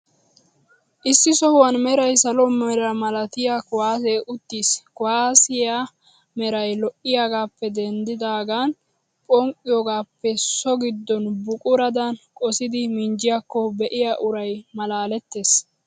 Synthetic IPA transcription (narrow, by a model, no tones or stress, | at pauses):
ʔɪsːɪsɔhʊwɐnmɛɾɐjsɐlɔmɛɾɐmɐlɐt̪ɪjakʊwaːseʔʊt̪ːiːskʊwaːsɪja | mɛɾɐjlɔʔɪjaːɡaːpːɛd̪ɛnd̪ɪd̪aːɡaːn | pʼɔŋkʼːɪjɔːɡaːpːɛsɔɡɪd̪ːɔnbʊkʼʊɾɐd̪ɐnkʼɔsɪd̪ɪmɪnd͡ʒɪjakːɔbɛʔɪjaʔʊɾɐjmɐlaːlɛt̪ːe̞ːs